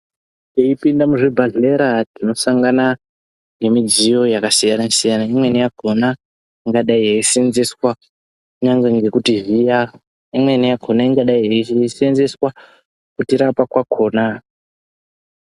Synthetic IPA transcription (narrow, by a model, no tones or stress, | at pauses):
teipindamuʐibʱaɮe̞ɾatino̞saŋɡana | ŋɡe̞mid͡zijo̞jakasijanasijanaimwe̞nijaɡʱo̞na | iŋɡaɗaiɦeisienzeswa | kuɲaŋɡeŋɡe̞kutiɦija | imwe̞nijaɡ̥ʱonaiŋɡaɗaiɦeiisenze̞swa | kutiɾapakwakʰo̞ːna